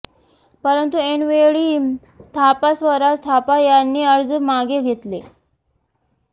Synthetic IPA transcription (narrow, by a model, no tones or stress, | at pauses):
pəɾənt̪ueɳʋeɭiː | t̪ʰapasʋəɾast̪ʰapajanːiːəɾd͡zmaɡeɡʱet̪le